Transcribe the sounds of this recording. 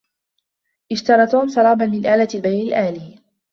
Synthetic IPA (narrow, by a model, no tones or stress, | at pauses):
ʔɪʃt̪ɑɾˤɑːt̪uːmsˤɑlɑːbɑnmɪnʔaːlalbajnɪlʔaːliː